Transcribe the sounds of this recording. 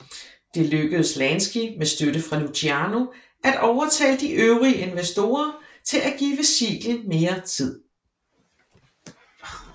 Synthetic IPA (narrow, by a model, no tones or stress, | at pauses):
d̥e̝løɡ̥əðˠəslænsɡ̥imesd̥øɾəfʁɑ̈nuɕʰiæno̝ | ʔæd̥ɒʊɐt͡sʰɛ̰ːd̥iʔøʊʁiəʔe̝nʋesd̥o̝̰ːɐt͡sʰe̝læɡ̥ḭːʋesḭɡ̥lən̩me̝ːɐt͡sʰið̰ˠ